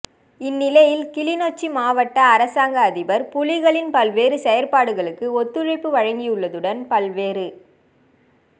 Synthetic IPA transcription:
ɪnːɪlɐjɪlkɪlɪnoːt͡ʃːimaːʋɐʈːɐːɾɐsaːŋɡɐːðɪbɐɾpʊlɪɣɐɭɪnpɐlʋeːɾɯsɛjɐɾpaːɽɯɣɐɭɯkːɯɔt̪ːɯɻɪpːɯʋɐɻɐŋɡɪjɯɭːɐðɯɽɐnpɐlʋeːɾɯ

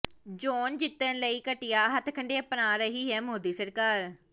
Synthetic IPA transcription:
d͡ʒoːnd͡ʒɪt̪ːənləiːkəʈɪjaːɦət̪ʰkʰəɳɖeːəpənaːɾəɦiːɦɛːmoːd̪iːsəɾkaːɾ

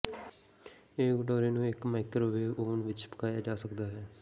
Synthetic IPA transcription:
eːɡəʈoːɾeːnũːɪkmaːɪkɾoʋeːoːnʋɪt͡ʃpəkaːjaːd͡ʒaːsəkd̪aːɦɛː

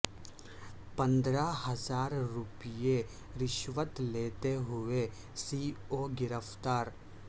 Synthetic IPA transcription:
pɐ̃nd̪ɾaɦɐzaːɾːʊpije | ɾɪʃʋət̪leːt̪eɦʊe | siːoːɡɪɾəft̪aːɾ

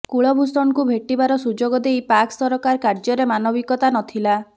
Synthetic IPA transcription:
kuɭɔbʱusɔnɔkubʱeʈibaɾɔsud͡ʒoɡɔd̪ejpaksɔɾɔkaɾkaɾd͡ʒɔɾemanɔbikɔt̪anɔt̪ʰila

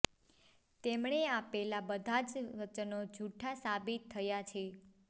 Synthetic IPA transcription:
t̪emɳeapɛlabəd̪ʱad͡ʒʋət͡ʃənod͡ʒʱuʈʰasabit̪ʰːəjat͡ʃʰe

